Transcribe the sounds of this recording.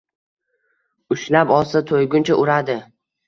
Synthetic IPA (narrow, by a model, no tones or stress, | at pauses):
ʊʃlapɒlsat̪ʰojɡʲʊnt͡ʃʰaʔʊɾad̪ɪ